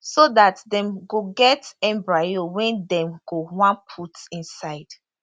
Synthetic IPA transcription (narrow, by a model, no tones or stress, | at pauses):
sodatdɛ̃mɡoɡɛtɛ̃mbɹajowɛ̃ndɛ̃mɡowãnpʰutĩnsaɪd̥